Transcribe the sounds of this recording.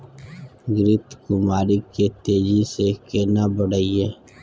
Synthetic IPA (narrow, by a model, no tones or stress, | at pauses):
ɡɾɪt̪kʊmaːɾiket̪eːd͡ʒisekeːnabəɽaːieː